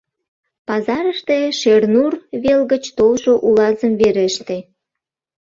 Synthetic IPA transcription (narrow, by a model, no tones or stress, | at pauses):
pɑzɑɾəʃt̪eʃernurβelɣət͡ɕt̪olʃoʔulɑzəmβeɾeʃt̪e